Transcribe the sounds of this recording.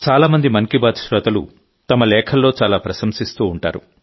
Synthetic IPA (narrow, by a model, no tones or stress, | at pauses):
t͡ʃaːlaːmɐnd̪imɐŋkibaːd̪ʃɾɐt̪ɐlṵ | t̪ɐmɐlɛːkʰɐlːoːt͡ʃaːlaːpɾɐsɐmsist̪uːɳʈa̰ːɾṵ